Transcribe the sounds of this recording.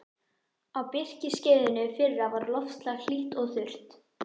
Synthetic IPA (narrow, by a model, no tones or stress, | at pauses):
awpɪr̥cɪscɪːðɪnʏfɪrːavaɾlɔfst̪lɛɣl̥iht̪ɔɣθʏr̥t̪